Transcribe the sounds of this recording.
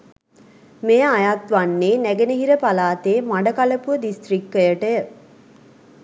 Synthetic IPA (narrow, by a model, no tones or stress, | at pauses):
mejəajat̪ʋanːeːnæɡenəɦiɾəpalaːt̪eːmaɳɖɐkɐləpuəd̪ist̪rikːəjəʈəjə